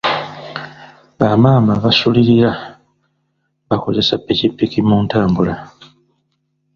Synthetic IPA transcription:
βamaːmaβasuliɾiɾa | βako̞ze̞sapːecipːikimuntaːmbula

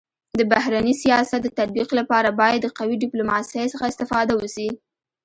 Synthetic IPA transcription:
d̪əbahɾanisijɑsat̪̚d̪ət̪ad̪̚biqlapɑɾabɑjad̪ːəqawiɖɪplumɑsəjsəxaɪst̪ɪfɑd̪awəsi

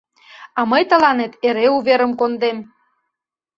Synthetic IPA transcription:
ɑməjt̪ə̆lɑnet̪eɾeuβeɾə̆mkond̪em

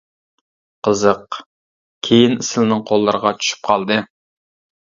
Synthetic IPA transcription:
qəzɨq | kʲʰejinɪsɪlnɪŋqʰolˠːɨɾəʁɑt͡ʃʰy̥ʃy̥p̚qʰɑlˠd̪ɨ

